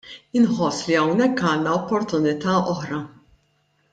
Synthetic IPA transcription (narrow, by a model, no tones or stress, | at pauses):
ɪnħɔsːliɐwnɛkːɐːnːɐɔpːɔɾt̪ʊnɪt̪ɐːʔɔħɾɐ